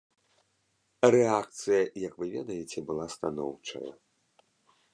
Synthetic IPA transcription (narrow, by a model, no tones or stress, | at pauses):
rɛak̚t̪sɨjɐjɐkvɨvʲɛ̰d̪ɐjɛt͡sʲɛbɨlˠast̪anɔwt͡ʂɐ̰jɐ̰